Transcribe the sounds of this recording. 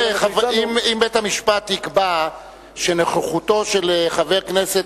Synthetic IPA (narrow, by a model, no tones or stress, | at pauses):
aimimbethamiʃpat̪ːikba | ʃeneχeχuto̞ʃelχaveʁkneset